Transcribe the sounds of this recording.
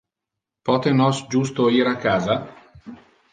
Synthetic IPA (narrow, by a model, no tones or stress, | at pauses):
pɔt̪enɔsd͡ʒust̪oiːɾakːaːza